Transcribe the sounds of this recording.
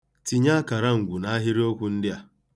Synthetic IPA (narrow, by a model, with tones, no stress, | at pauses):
ti˨ɲa˦ka˨ɾa˦ŋ̩˨ɡʷu˨na˨˦a˦ɦɪ˦ɾi˦o˦kʷʊ˦n̩˦dɪ˦a˨